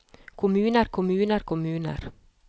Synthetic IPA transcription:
kʰʊmʉːnəɾkʰʊmʉːnəɾkʰʊmʉːnə̰ɾ

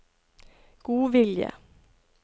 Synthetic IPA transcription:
ɡ̥uːʋɪljə̰

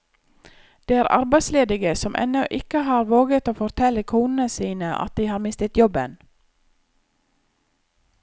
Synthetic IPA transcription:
d̪̥eːæːɾʔɑ̰ɾbæɪd̪sleːd̪ɪɡəsɔmʔɛ̰noʔɪkəhɑːɾʋoːɡət̪oːfɔɾt̪ʰɛləkʰuːnn̩əsiːnəʔɑ̰t̪̚d̪iːhɑːɾmɪst̪ət̪jɔbə̰n

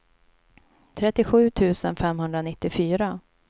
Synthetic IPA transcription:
t̪ʰɾɛt̪ːɪɧʉ̟ːt̪ʰʉ̟ːsənfɛmɦɵnd̪ɾanɪt̪ːɪfyːɾa

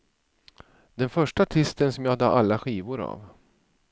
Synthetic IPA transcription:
d̪ɛnfœʂʈaːʈʰɪst̪ənsɔmjaːd̪ɑʔalːaɧiːvʊɾa̰v

